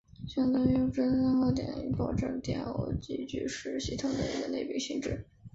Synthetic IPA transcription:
ɕjɑ˥ŋt̪ɤ˥ŋjo˥ʈ͡ʂə˥nsə˥xo˥t̪jɛ̰˨˩nḭ˧˥pɑ˥˩ʊʈ͡ʂɤ˥˩t̪jɛ̰˨˩no̰˧˥t͡ɕi˥˩t͡ɕy̰˥˧˩ʂɻ̩˥˩ɕi˧˥t̪ʰʊ˨˩ŋd̪ə˧ḭ˧˥ɡə˧ne˥˩ɪpi˧˥˩ɕi˥˧ŋʈ͡ʂɻ̩˥˩

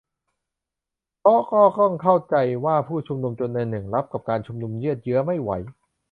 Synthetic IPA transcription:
pʰɔ˦˥kɔː˥˩kɔ˥˩ŋkʰa˥˩wt͡ɕa˧jwaː˥˩pʰuː˥˩t͡ɕʰu˧mnu˧mt͡ɕo˧nːa˧jnɯ˨˩ŋla˦˥p̚ka˨˩p̚kaː˧nt͡ɕʰu˧mnu˧mjɯ˥˩ət̪̚jɯ˦˥ɐma˥˩jwa̰˩˦j

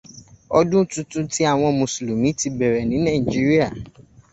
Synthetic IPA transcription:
ɔ˦dũ˦n̩˦tu˦tũ˦ti˦a˦˨w̃ɔ̃˧mũ˨slu˨mĩ˨˦ti˧bɛ˨ɾɛ˨nĩ˨˦nã˦˨i˨d͡ʒi˨˦ɾi˦a˦˨

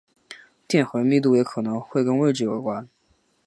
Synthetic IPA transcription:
t̪jɛ˥˩nxə˧˥mi˥˧t̪̬u˥˩jɛ˧˥kʰɤ˨˩nɤ˧˥ŋxwe˥˧ɪkə˥nwe˥˧ɪʈ͡ʂɻ̩˥˩jo˨˩ʊkwa˥n

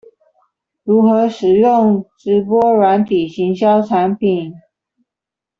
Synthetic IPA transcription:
ɻu˧˥xɤ˧˥ʂɻ̩˨˩jʊ˥˩ŋʈ͡ʂɻ̩˧˥p̬wɔ˥ɻwa˧˥nt̪ʰi˨˩ɕi˧˥ŋɕjɑ˥ʊʈ͡ʂʰa˧˥npʰi˨˩˦n

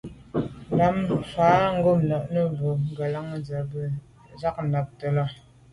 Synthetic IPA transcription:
la˨˦mfaː˨˦ŋ̩˦ɡo˦˨mnɔ˨ʔnə˦˨bo˨ŋ̩˦ɡə˨la˦ŋ˦˨nd͡zə˨bə˨ | za˦k̚na˨p̚tə˨lɔ˦˨

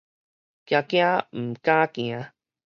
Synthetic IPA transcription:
kja˧kja˦m̩˨ka˦kĩ˨a˧˦

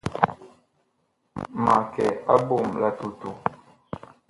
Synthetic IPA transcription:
ma˨kɛ̰˨a˦bo˦˨mla˨tu˨tu˨

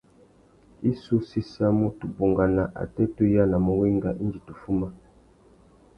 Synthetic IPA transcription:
i˦su˦si˦sa˦mo˦tu˨bo˨ŋɡa˨na˨ʔa̰˨tɛ˦to˦ja˦na˨mo˨wi˦ŋɡa˨ʔi˦nd͡ʒi˨tu˨fu˦ma˦

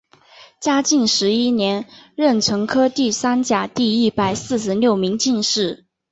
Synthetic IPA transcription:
t͡ɕja˥t͡ɕi˥˩nʂɻ̩˧˥i˥njɛ˧˥nɻə˥˩nʈ͡ʂʰwɤ˧˥ŋkʰɤ˥t̪i˥˩sa˥nt͡ɕja˨˩t̪i˥˧i˥pa˨˩ɪsɹ̩˥˩ʂ̬ɻ̩˧˥ljo˥˩ʊmi˧˥ŋt͡ɕi˥˧nʂɻ̩˥˩

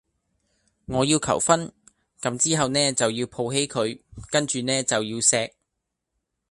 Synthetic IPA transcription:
ŋɔː˨˧jiː˧wkʰɐ̰˨˩wfɐ˥n | kɐ˨˧˥mt͡siː˥ɦɐ˨wnɛː˥t͡sɐ˨wjiː˧wpʰo˧wɦe˨˥jkʰɵ˨˧ɥkɐ˥nt͡ʃyː˨nɛː˥t͡sɐ˨wjiː˧wsɛː˧k̚

